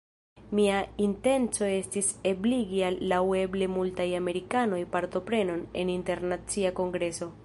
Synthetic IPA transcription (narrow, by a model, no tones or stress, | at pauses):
miainte̞nt͡so̞e̞stise̞bliɡialːawe̞ble̞multajame̞ɾikano̞jpaɾto̞pɾe̞no̞ne̞̰ninte̞ɾnat͡siako̞ŋɡɾe̞so̞